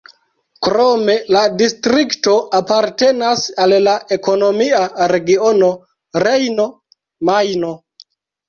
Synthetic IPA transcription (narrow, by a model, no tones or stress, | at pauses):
kɾome̞ladistɾikto̞apaɾte̞nasallaʔe̞ko̞no̞miaɾe̞ɡiono̞ | ɾejno̞ | majno̞